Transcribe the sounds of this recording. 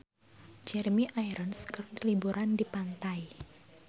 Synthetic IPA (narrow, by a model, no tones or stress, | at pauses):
d͡ʒɛɾmiʔajɾɔnskərnlibuɾandipant̪aj